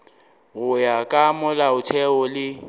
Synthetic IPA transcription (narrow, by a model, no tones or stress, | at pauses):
ɣʊjakʼamʊlaʊtʰɛɔlɪ